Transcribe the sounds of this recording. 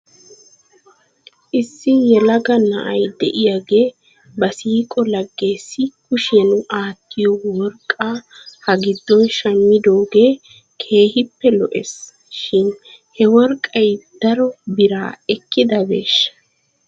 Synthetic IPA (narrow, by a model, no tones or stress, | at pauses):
ʔɪsːɪjɛlɐɡɐnɐ̰ʔɐjd̪ɛ̰ʔɪjaɡe̞ː | bɐsiːkʼɔlɐɡːe̞ːsːɪkʊʃɛnʊʔaːt̪ːɪjɔwɔɾkʼːaːhɐɡɪd̪ːɔnʃɐmːɪd̪oːɡe̞ː | kʰe̞ːhɪpːɛlɔ̰ʔes | ʃɪn | hɛwɔɾkʼːɐjd̪̥ɐɾɔbɪɾa̰ːɛkːɪd̪ɐbḛːʃːɐ̥